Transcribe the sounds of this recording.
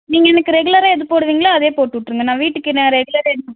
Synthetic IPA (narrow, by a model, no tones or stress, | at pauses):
niːŋɡɐɛnɐkːɯɾɛɣɯlɐɾɐɛðɯpoːɽɯʋiːŋɡɐlaːɐðeːpoːʈːɯʋɪʈːɾɯŋɡɐnãːʋiːʈːɯkːɪʈːẽɾɛɡɯlɐɾɐɛðɯnːɐ